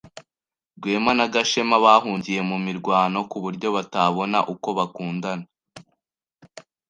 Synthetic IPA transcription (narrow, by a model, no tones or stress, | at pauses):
ɡwe̞ːmanaɡaʃe̞maβaːɦuːɲɟije̞mumiɾɡwaːno̞kuβuɾɟo̞βataβo̞na̰ʔuko̞βakuːndana